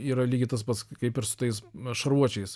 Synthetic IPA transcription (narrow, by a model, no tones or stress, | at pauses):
iːɾɐlʲiːɡʲɪt̪ɐspɐskɐɪpɪɾsʊ̥t̪ɐɪsʃɐɾuɔt͡ʃʲɛɪs